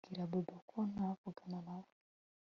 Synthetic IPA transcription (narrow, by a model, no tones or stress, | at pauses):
ɡiɾabobakʰonakuɡananaw